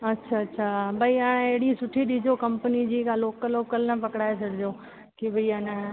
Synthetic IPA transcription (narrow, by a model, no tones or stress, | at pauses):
ɐtːɕʰaɐtːɕʰaːbʱɐiãːeɦɪɽĩsʊʈʰiɗid͡ʑokɐ̃mpənid͡ʑiːkaloːkəloːkəlnɐpɐkɪɽaːesɐɽʱɪd͡ʑoː | kebɐianã